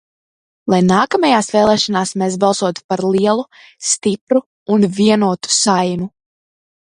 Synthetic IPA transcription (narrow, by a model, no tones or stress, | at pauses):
lˠajnaːkamajaːsvɛːlˠɛːʃanaːsmeːs̬bɑlˠsuɔt̪u̥paɾlˠiɛlˠu | st̪ipɾuː | nviɛnuɔt̪u̥sajnu